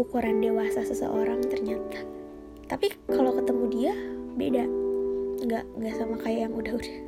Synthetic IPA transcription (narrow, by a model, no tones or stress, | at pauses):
ukuɾandewasasəsə̰ʔoɾaŋt̪ərɲat̪ḁ | t̪apikalokət̪əmudiabḛdaʔŋɡaʔŋɡaʔsamakajajaŋudahudah